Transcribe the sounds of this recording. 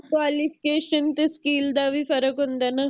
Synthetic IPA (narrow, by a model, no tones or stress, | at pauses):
kʋaːlifikeːʃənt̪eskiːld̪aʋifɐɾəkɦõnd̪ana